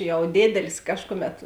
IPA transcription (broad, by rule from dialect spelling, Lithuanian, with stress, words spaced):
ˈjɛʊ ˈdʲeːdʲɛlʲɪs ˈkɑːʃkʊˌmʲɛt